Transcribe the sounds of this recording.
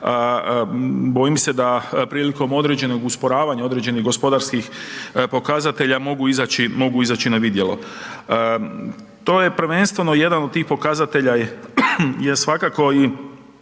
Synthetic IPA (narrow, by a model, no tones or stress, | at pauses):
ə | bo̞jimse̞d̪apɾiːliko̞mo̞d̪ɾe̞d͡ʑe̞no̞ɡuspo̞ɾaːʋaɲao̞d̪ɾe̞d͡ʑe̞niɣɡo̞spo̞d̪aɾskixpo̞kazat̪e̞ʎamo̞ɡuizat͡ɕimo̞ɡuizat͡ɕinaʋid̪jelo̞̰ | t̪o̞ːje̞pɾʋe̞nst̪ʋe̞no̞je̞d̪anod̪̚t̪iːxpo̞kazat̪e̞ʎa | jesʋakako̞i